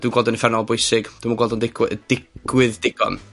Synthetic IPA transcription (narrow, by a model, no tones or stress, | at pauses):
d̥wiːnɡwɔlˠdənəfɛrnɔlˠbʊjsɪɡd̥wimanɡwɔlˠdɔndɪɡwɪəd̥ɪɡ̥wɪðdɪɡ̥ɔ̰n